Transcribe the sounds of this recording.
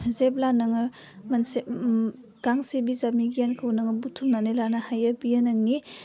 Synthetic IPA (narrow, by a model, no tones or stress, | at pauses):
zep̚lanɐŋɯ | mns | ɡ̥aŋsebizamiɡijankʰawnɐŋɯbutʰumnanelanahajɐbijanaŋni